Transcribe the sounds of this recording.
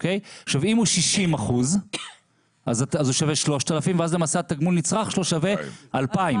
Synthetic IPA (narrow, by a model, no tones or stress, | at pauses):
okejχʃavimuʃiʃimaχuz | ʔazatazuʃaveʃlo̞ʃtalafimveazlemasaat̪aɡmulnit͡sʁaχʃloʃavealpaim